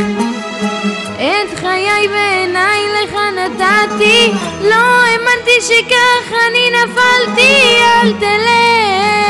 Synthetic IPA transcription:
ʔet̪χajajveenajleχanat̪at̪i | loemant̪iʃekaχaninafalt̪ialt̪ele

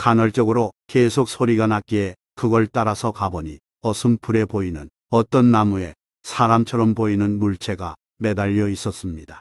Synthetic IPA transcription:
kanʌɭt͡ɕ͈ʌɡɯɾokesʰok̚sʰoɾiɡanak͈ie | kɯɡʌɭt͈aɾasʰʌkabʌɲi | ʌsʰɯmpʰuɾe̞poinɯn | ʌt͈ʌnːamue̞ | sʰaɾamt͡ɕʰʌɾʌmpoinɯnmuɭt͡ɕʰe̞ɡa | medaʎːʌis͈ʌs͈ɯmɲidḁ

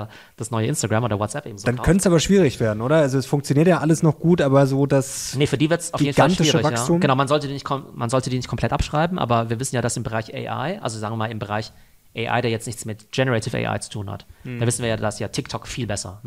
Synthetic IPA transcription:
d̥asnɔʏəʔɪnstaɡʁaːmʔoːdɐwɔtsʔɛpʔeːbm̩zodankœntəsaːbɐʃv̥iːʁɪçv̥eːɐdn̩ʔoːdɐalzoɛsfʊŋkt͡sjoniːɐtjaːʔaləsnɔχɡ̥uːtʔaːbɐzoːdasnəfyːɐdiːvɪɐtsʔaʊfiedn̩fɡalʃtɪiːʁʃəɪçvajksaːtuːmɡ̥ənaʊmanzɔltədiːnɪçtkʰɔmanzɔltədiːnɪçt̚kʰɔmpʰl̥ɛtʔapʃʁ̥aɪbm̩ʔa̰ːbɐviːɐvɪsn̩jaːdasɪmbəʁaɪçʔɛ̰ɪʔa̰ɪʔa̰lzozaːɡŋviɪːmaːlɪmbəʁaɪç | ʔɛɪʔa̰ɪdeːɐjɛt͡stnɪçt͡smɪtɡ̥ɛnəʁɛtʰɪfɛ̰ɪʔa̰ɪt͡su̥tʰuːnha̰td̥aːvɪsn̩viːɐjaːdasjaːtʰɪk̚tʰɔkfiːlbɛsɐ̰

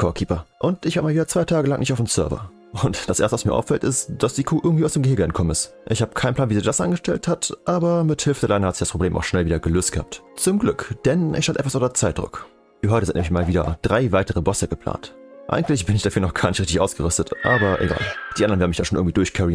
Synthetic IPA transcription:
kʰɔːkʰiːpɐʔʊntɪçvaːəmaːlviːdɐt͡sv̥aɪtʰaːɡəlaŋnɪçtaʊfmsœɐvɐ̰ | ʔʊntd̥asʔḛɐstəvasmiːɐʔa̰ʊfɛltɪstd̥asd̥iːkʰoːʔɪɐɡŋ̩tviːʊsd̥eːmɡəhɪːɡəɛnkʰɔmənɪst | ʔɪçhaːbə̥kʰaɪn̩pl̥aːnviːzɪçd̥asʔa̰nŋɡəʃtɛlthatʔaːbɐmɪthɪlfədɛɐlaɪnhatzɪç̥aspʁ̥obleːmʔa̰ʊxʃnɛlviːdɐɡəløːstɡ̥əha̰p̚tt͡sʊmɡlʏkd̥ɛnɪ̰çʃalʔɛtfvasʊdɛɐt͡saɪt̚dʁʊ̰k | fyːɐɦɔʏtəzɪntnɛ̰mɪçmaːlviːdɐ̰d̥ʁaɪvaɪtəʁəbɔsəɡ̥əpʰl̥a̰ːnt | ʔa̰ɪɡŋ̩tlɪçb̥ɪnɪçd̥afyːɐnɔχɡ̥aːɐnɪçtʁ̥ɪçtɪçʔaʊsɡ̥əʁʏstətʔaːbɐʔḛɡa̰ːld̥iːʔandɐnvɛɐnmɪçtaːnʃoːnʔɪŋ̩tvidʊɐçkʰɛʁin

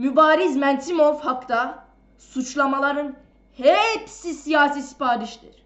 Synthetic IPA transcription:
mybaːɾizmænt̪ʰimovhakt̪a | sut͡ʃlˠamalˠɑɾɯn | hepsisijaːsisi̥pʰaːɾiʃd̪iɾ̥

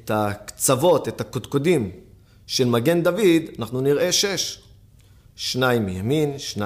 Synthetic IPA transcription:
takt͡savo̞t̪et̪hakot̪kodim | ʃelmaɡe̞nd̪avid̪anaχnuniʁe̞ʃeʃ | ʃnajimjaminʃna

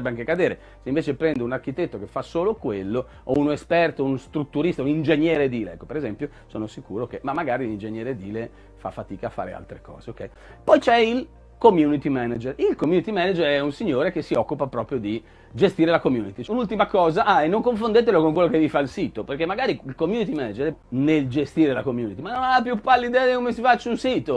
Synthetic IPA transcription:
bːeaŋkekad̪eːɾe | seiɱveːt͡ʃepɾɛnd̪eunarkit̪et̪ːokefːasoːlokwelːo | ounespɛrt̪ounst̪ɾut̪ːuɾist̪aunind͡ʒeɲjɛːɾed̪iːlḛɛ̰kːopeɾezɛmpjo | soːnosikuːɾokemamːaɡaːɾilind͡ʒeɲjɛːɾed̪iːle | fa̰fːat̪iːkaːfːa̰ːɾḛa̰lt̪ɾekɔ̰ːzeokɛj | pɔjt͡ʃɛil | komjuːnit̪imɛnad͡ʒerilkomjunit̪imɛnad͡ʒeɾɛunsiɲːoːɾek̟esiɔkːupapɾɔpɾjod̪i | d͡ʒest̪iːɾelakomjuːnit̪iunult̪imakɔːzaʔaenːoŋkoɱfond̪eːt̪̬elokoŋkwelːokevifailsiːt̪operkemːaɡaːɾiilkomjunit̪imɛnad͡ʒeɾneld͡ʒest̪iːɾelakomjuːnit̪imanːonaapjupːalːid̪ɛad̪ekomesifat͡ʃːunsiːt̪o

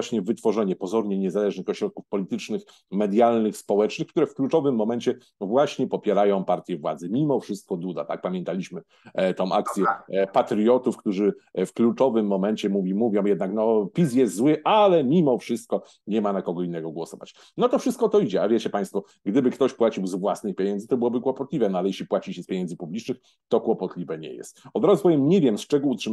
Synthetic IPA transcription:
aɕɲɛvɘt̪fɔʐɛɲɛpɔzɔɾɲɛɲɛzalɛʐnɘxɔɕɾɔt̪̚kufpɔlʲit̪ɘt͡ʂnɘx | mɛd̪jalnɘxspɔwɛt͡ʂnɘxkt̪uɾɛfklut͡ʂɔvɘmːɔmɛɲt͡ɕɛ | vwaɕɲɛpɔpʲjɛɾajɔ̃w̃paɾt̪ʲjɛvwa̰d̪zɛmʲimɔfʂɘst̪̚kɔd̪ud̪a̰t̪a̰k̚pamʲjɛnt̪alʲiɕmɘ | t̪ɔ̃w̃ʔak̚t̪sʲjɛpat̪ɾjɔt̪ufkt̪uʐɘfklut͡ʂɔvɘmːɔmɛɲt͡ɕɛmuvʲimuvʲjɔ̃w̃jɛd̪naknɔpʲis̬jɛst̪zwɘʔalɛmʲimɔfʂɘst̪̚kɔ | ɲɛmanakɔɡɔinːɛɡɔɡwɔsɔva̰t͡ɕ | nɔt̪ɔfʂɨst̪̚kɔt̪ɔid͡ʑɛavʲjɛt͡ɕɛpaj̃st̪fɔ | ɡd̪ɘbɘkt̪ɔɕpwat͡ɕiwzvwasnɘxpʲjeɲɛnzɘt̪ɔbɘwɔbɘkwɔpɔt̪lʲivɛnɔalɛjɛɕlʲipwat͡ɕiɕɛspʲjeɲɛnd̪zɘpublʲit͡ʂnɘx | t̪ɔkwɔpɔt̪lʲivɛɲɛ̰jɛ̰st̪ɔd̪ɾazvɔjɛmɲɛvʲjɛmst͡ʂɛɡɔutʂɘ

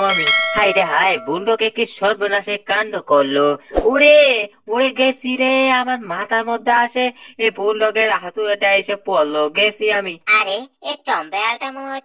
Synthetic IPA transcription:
amihajɾeɦajbuɳɖɔkekiʃɔɾbɔnaʃekaɳɖɔkɔɾlouɽe | oɽeɡesiɾeamaɾmat̪aɾmɔd̪ʱːaaʃeebuɳɖɔɡeɾaɦat̪uɾeʈaesepɔloɡesiamiaɾeeʈɔmbealʈamɔ

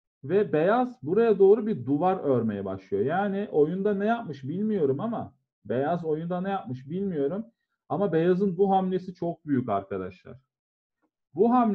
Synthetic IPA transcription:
vɛbejazbuɾajad̪o̞ːɾubiɾd̪uvaɾøɾme̞jɛbaʃlˠɯjo̞jaːniʔo̞jund̪anɛjap̚mɯʃbilʲmijo̞ɾumama | bejazo̞jund̪anɛjap̚mɯʃbilʲmijo̞ɾum | amabe̞jazɯnbuɦamlʲe̞sit͡ʃʰo̞k̚byjycaɾkad̪a̰ʃlˠa̰ɾ̥ | buɦamlʲ

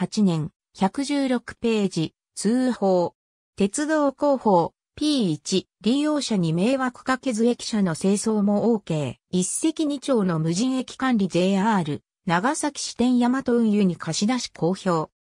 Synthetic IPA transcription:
hat͡ɕinẽ̞ŋ̃ | çakɯ̟ʑɨːɾo̞kɯ̟̥pe̞ːd͡ʑi | t͡sɨːho̞ː | t̪e̞t͡sɨd̪o̞ːko̞ːho̞ː | pʲiːt͡ɕi | ɾʲijo̞ːɕaɲ̟ime̞ːβakɯ̟̥kake̞zɨe̞kʲi̥ɕano̞se̞ːso̞ːmo̞oːke̞ːisːe̞kʲiɲ̟it͡ɕo̞ːno̞mɯ̟ʑĩɰ̃e̞kʲi̥kãnɾʲid͡ʑe̞ːaːɾɯ̟ | naɡasakʲi̥ɕi̥t̪ẽ̞ɰ̃jamat̪o̞ɯ̟̃ɰ̃jɯ̟ɲ̟ikʰaɕid̪aɕi̥kʰo̞ːço̞ː

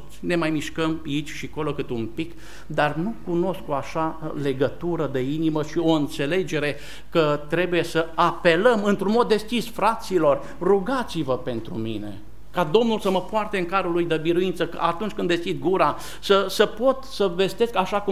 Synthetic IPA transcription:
ne̞majmiʃkəmit͡ʃʲʃiko̞lo̞kɨt̪umpik | d̪arnukuno̞skoaʃale̞ɡət̪uɾəd̪e̞iniməʃio̞ɨnt̪se̞le̞d͡ʒe̞ɾe̞ | kət̪ɾe̞buje̞səape̞ləmɨnt̪ɾunmo̞d̪ːe̞skʲisfɾat̪silo̞r | ruɡat̪sivəpe̞nt̪ɾṵmine̞ | kad̪o̞mnulsəməpoart̪eɨŋkaɾulujd̪əbiɾuinsəkəʔat̪unt͡ʃkɨnd̪e̞skʲid̪ɡuɾa | səsəpo̞t̪səve̞st̪e̞skaʃaku

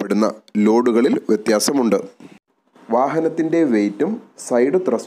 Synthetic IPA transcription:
pːe̞ɽunːɐ̰lo̞ːɽuɣɐɭilʋjet̪jaːsɐmuɳɖɨ | ʋaːɦɐnɐt̪ːinde̞ʋe̞ːtːumsɐjɽɨt̪rɐs

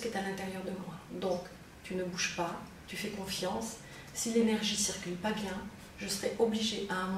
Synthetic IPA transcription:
kɛt̪alɛ̃t̪ɛʁjœʁd̪əmwad̪ɔ̃k | t̪ynəbuʒpa | t̪yfɛkɔ̃fjɑ̃sː | ilenɛʁʒisiʁkʲylpabjɛ̃ | ʒəsəʁɛʔɔbliʒeʔaɛ̃m

